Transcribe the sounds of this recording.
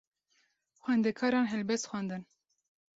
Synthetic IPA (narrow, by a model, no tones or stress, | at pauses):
xwɛnd̪ɛkʰɑːɾɑːnɦɛlbɛst̪xwænd̪ɨn